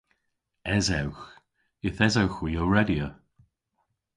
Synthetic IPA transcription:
ɛzawx | ɪθɛzawxwujowɹɛdjə

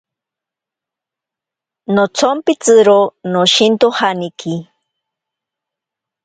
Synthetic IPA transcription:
not͡sʰompit͡sɨɾonoʃint̪ohaniki

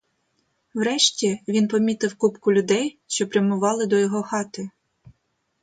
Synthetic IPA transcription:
wɾɛʃtʲiʋʲinpɔmʲit̪ɪwkupkʊlʲʊd̪ɛjʃt͡ʃɔpɾʲjɐmʊʋɑlˠɪd̪ɔjɔɦɔxɑt̪ɪ

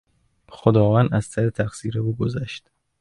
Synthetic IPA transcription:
xod̪ɒːvænd̪æzsʰæɾet̪ʰæxsiːɾeuːɡozæʃt̪

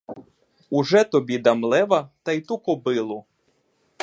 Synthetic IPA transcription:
uʒɛt̪ɔbʲid̪ɐmlˠɛʋɐt̪ɐjt̪ukɔbɪlˠʊ

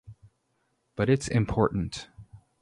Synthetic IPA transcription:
b̥ʌɾɨtsɪ̃mpʰɔɹʔn̩t

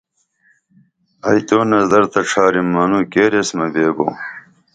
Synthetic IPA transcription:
ɐjt̪oːnɐzd̪ɐɾt̪ɐʈ͡ʂʰaːɾimːɐnuːkeːɾesmɐbeːbo̰ː

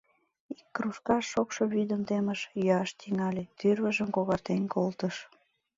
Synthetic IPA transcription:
ikːruʃkɑʃːokʃoβyd̪ənt̪eməʃjøɑʃt̪iŋɑlʲet̪yrβəʒəmkoβɑrt̪enkolt̪əʃ

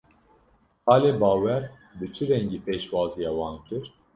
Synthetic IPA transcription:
ɑːleːbɑːwɛɾ | bɨt͡ʃʰɨɾɛŋɡiːpeːʃwɑːzijɑːwɑːnkɨɾ

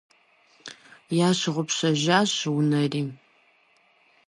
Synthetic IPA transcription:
jaːɕɪʁʷʊpɕɐʒaːɕwʊnɐriːm

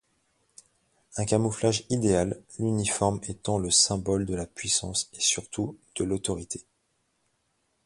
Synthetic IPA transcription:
ɛ̃kamuflaʒid̪ealːynifɔʁmɛt̪ɑ̃ləsɛ̃bɔld̪əlapɥisɑ̰̃sesyʁt̪ʰud̪̥əlot̪ɔʁit̪ʰe̥

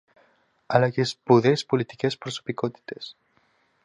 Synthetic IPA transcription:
alakespuðespulit̪ikespɾosu̥pikot̪i̥t̪es

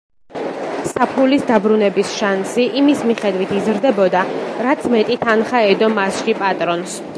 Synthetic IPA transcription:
sapʰulisd̪abɾunɛbisʃansiʔimismiχɛd̪wit̪ʰizɾd̪ɛbɔd̪aɾat̪sʰmɛt̪ʼit̪ʰanχaɛd̪ɔmasʃipʼat̪ʼɾɔns

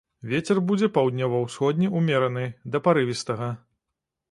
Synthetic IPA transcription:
vʲet͡sʲɛrbud͡zʲɛpawd̪ʲnʲɔvɐwsxɔd̪ʲnʲiumʲɛɾɐnɨd̪ɐpaɾɨvʲist̪ɐɣɐ

